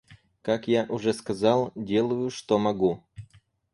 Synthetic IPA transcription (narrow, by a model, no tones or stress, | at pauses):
kakjaʔʊʐɛskɐzalˠdʲelˠʊjʊʂt̪omɐɡu